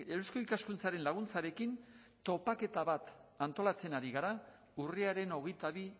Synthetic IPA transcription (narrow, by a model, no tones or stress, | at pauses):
eusko̞ikaskunt͡saɾe̞nlaɣ̞unt͡saɾe̞kin | t̪o̞pake̞t̪aβat̪ant̪o̞lat͡se̞naɾiɣaɾa | uriaɾe̞no̞ɣe̞jt̪aβi